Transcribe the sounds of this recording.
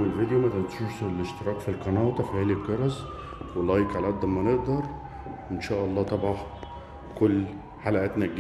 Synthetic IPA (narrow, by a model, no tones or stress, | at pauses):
elved̪ejomæt̪ænt̪ʃuʃseleʃt̪eɾˤɑːkfilqɑnɑːt̪ˤɑfihælikːɑɾˤɑz | welːɑjkʕalʔæd̪ɑmːæneʔd̪ɑɾˤ | wʔenʃæːʔɑlˤːɑːt̪ˤɑbɑħ | kolː | ħalæʔæːt̪næɡ